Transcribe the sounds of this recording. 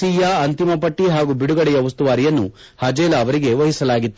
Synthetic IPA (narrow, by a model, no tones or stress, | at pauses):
iːjɐɐnt̪imɐpɐʈːiɦaːɡubiɽuɡɐɽɛjɐʋɐst̪uʋaːɾijɐnːṵ | hɐd͡ʒɛːlɐːʋɐɾiɡe̞ʋɐɦisɐlaːɡit̪ːu